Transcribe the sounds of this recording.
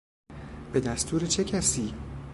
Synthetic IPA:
b̥e̞d̪æst̪ʰuːɾet͡ʃʰecʰæsiː

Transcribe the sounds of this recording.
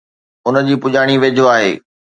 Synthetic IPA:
ʊnə̆d͡ʑiːpʊʄaːɽ̃iʋed͡ʑʱoaːɦḛː

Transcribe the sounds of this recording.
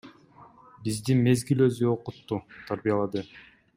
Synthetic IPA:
bizd̪inme̞zɡilø̞zyo̞qut̪ːut̪ʰaɾbijalˠɑd̪ɯ

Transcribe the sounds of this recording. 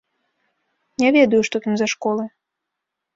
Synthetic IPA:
nʲɛvʲɛd̪ɐjuʂt̪ɔt̪amzaʂkɔlˠɨ

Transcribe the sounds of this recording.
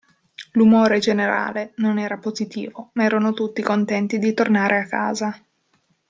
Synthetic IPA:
lumoːɾed͡ʒeneɾa̰ːlenonɛːɾapozit̪ḭːvomaɛːɾanot̪ut̪ːikont̪ɛnt̪id̪it̪ornaːɾʔeakːa̰ːza

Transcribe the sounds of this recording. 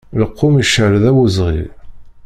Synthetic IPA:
ləqʰːʊmiʃəɾðæwəzʁḭl

